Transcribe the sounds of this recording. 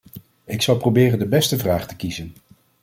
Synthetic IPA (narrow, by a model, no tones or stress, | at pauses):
ɪksɑlˠprowbɪːrəndəbɛstəvraːχtə̥kizən